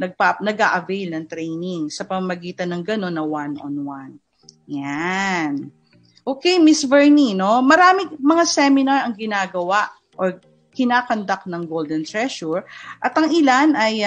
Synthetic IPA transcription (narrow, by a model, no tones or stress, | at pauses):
nɐɡ̚panɐɡa̰ːʔɐvɛjlnɐŋt̪ɾɛjnɪŋsɐpɐmamɐɡiːt̪ɐnːɐŋɡɐno̞nːɐwanʔo̰nwan | jan | ʔo̞ːkɛjmɪsvɛɹnino̞mɐɾaːmɪmɐŋasɛmɪnaɹɐŋɡɪnaːɡɐwaʔ | ʔoɹ | kɪnaːkɐnd̪ak̚nɐŋɡold̪ɛnt̪ɹɛʃuɹʔɐt̪ɐŋɪlanʔɐj